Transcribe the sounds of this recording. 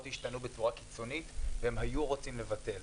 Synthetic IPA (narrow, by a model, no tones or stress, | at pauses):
othiʃtanube̞t͡suʁaki̥t͡so̞nitvehemhajuʁot͡simle̞vate̞l